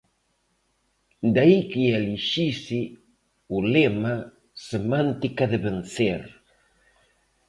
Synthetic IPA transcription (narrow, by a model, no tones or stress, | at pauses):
d̪aikieliʃisi | ulema | semãnt̪ikaðɪβenθeɾ